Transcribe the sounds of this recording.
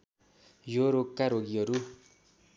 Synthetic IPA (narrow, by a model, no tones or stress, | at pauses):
joɾokkːaɾoɡiɦʌɾu